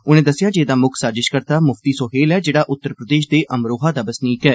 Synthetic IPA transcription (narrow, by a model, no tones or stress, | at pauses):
ʊnẽːd̪əsɪjaːd͡ʒeːd̪aːmʊkʰsaːɾzɪʃkəɾt̪aːmʊft̪iːsoːɦeːlɛːd͡ʒeːɽaːʔʊt̪ːəɾpɾəd̪eːʃd̪eːʔəmɾoːɦaːd̪aːbəsniːkɛː